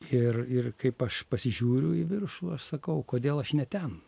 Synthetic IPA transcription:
ɪrɪrkɐɪpɐʃpɐsʲɪʒʲuːɾʲʊɪʋʲɪrʃuːɐʃsɐkɐʊkoːd̪ʲeːlˠɐʃnʲɛt̪ʲɛn

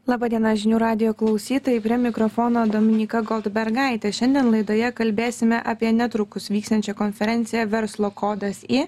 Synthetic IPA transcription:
lˠɑːbɑːd̪ʲiɛnɑʒʲɪnʲuːɾɑːd̪ʲɪjoːklˠɒʊsʲiːt̪oːjɪpʲɾʲiɛmʲɪkɾofoːnoːd̪oːmʲɪnʲiːkɐɡɔlˠd̪bʲɛɾɡɑˑɪt̪ʲɛʃʲɛnd̪ʲiɛnlˠɐɪd̪oːjɛkɐlʲbʲeːsʲɪmʲɛʔɐpʲiɛnʲɛt̪ɾʊkʊsʋʲiːkst̪ɐnʲt͡ʃʲɛkoːnʲfʲɛɾʲɛnʲt̪sʲɪjɛʋʲɛɾslˠoːkʰoːd̪ɐsi

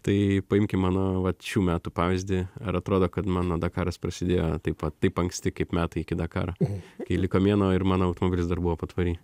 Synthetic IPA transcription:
t̪ɐɪpɐɪmʲkʲɪmɑːnoːʋɐʃʲuːmʲæːt̪upɑːʋʲɪzʲd̪ʲɪɐɾɐt̪ɾoːd̪oːkɐt̪mɑːnoːd̪ɑkɑːɾɐspɾɐsʲɪd̪ʲeːjoːt̪ɐɪpʋɐt̪ːɐɪpɐŋksʲt̪ʲɪkɐɪpmʲæːt̪ɐɪɪkʲɪd̪ɑkɑ̰ːɾɐkɐɪlʲɪkoːmʲiɛnoːɪrmɑːnoːɐʊt̪omoɔbʲɪlʲɪsd̪ɐrbʊʋoːpot̪ʋɐɾʲiː

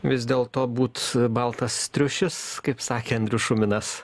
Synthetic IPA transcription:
ʋʲɪzʲd̪ʲeːlˠt̪oːbuːt̪bɐlˠt̪ɐsːt̪ʲɾʲʊʃʲɪskɐɪpsɑːkʲeːɐnʲd̪ʲɾʲʊʃʊmʲɪnɐs

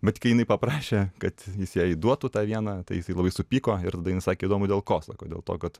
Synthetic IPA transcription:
bʲɛt̪kɐɪjɪnɐɪpɐpɾɑːʃʲeːkɐt̪jɪsjæːid̪uɔt̪ʊt̪ɑːʋʲiɛnɑt̪ɐɪjɪsɐɪlˠɐbɐɪsʊpʲiːkoːɪɾt̪ɐdɐjnɐɪsɑːkʲeːɪid̪oːmʊd̪ʲeːlˠkoːsɑ̰ːkoːdʲeːlˠt̪o̰ːkɐt̪

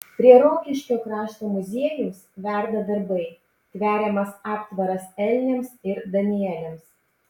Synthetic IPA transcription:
pʲɾʲiɛɾoːkʲɪʃʲkʲoːkɾɑːʃt̪oːmʊzʲiɛjʊmsʋʲæɾd̪ɐd̪ɐɾbɐɪ | t̪ʲʋʲæːɾʲɛmɐsɑːpt̪ʋɐɾɐsɛlʲnʲɛmsɪɾd̪ɐnʲɪjɛlʲɛms

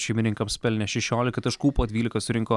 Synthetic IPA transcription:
ʃʲɛɪmʲɪnʲɪŋkɐmsʲpʲɛlʲnʲɛʃʲɛʃʲoːlʲɪkɐt̪ɐʃkuːpoːd̪ʲʋʲiːlʲɪkɐsʊɾʲɪŋkoː

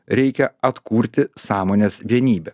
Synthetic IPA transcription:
ɾʲɛɪkʲɛɐt̪kuːɾʲt̪ʲɪsɑːmoːnʲeːsʋʲiɛnʲiːbʲɛ

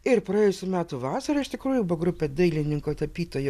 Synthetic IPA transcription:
ɪrpɾɐjeːjʊsʲʊmʲæːt̪uʋɑːsɐɾɐɪʃt̪ʲɪkɾuːjʊbʊɐɡɾʊpʲɛd̪ɐɪlʲɪnʲɪŋkoːt̪ɐpʲiːt̪oːjo

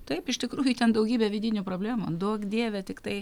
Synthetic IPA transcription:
t̪ɐɪpɪʃt̪ʲɪkɾuːjut̪ʲɛnd̪ɐʊɡʲiːbʲɛʋʲɪd̪ʲɪnʲʊpɾoːbʲlʲæːmud̪uɔkd̪ʲiːʋʲɛt̪ʲɪkt̪ɐɪ

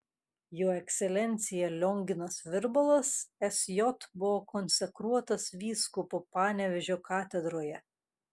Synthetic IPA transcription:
joːɛksʲɛlʲɛnʲt̪sʲɪjɛlʲɔŋʲɡʲɪnɐsʋʲɪɾbɐlˠɐsɛsʲjɔt̪bʊʋokɔnʲsʲɛkɾuɔt̪ɐsʋʲiːskʊpopɑːnʲɛʋʲɛʒʲoːkɑːt̪ʲɛd̪ɾoːjɛ

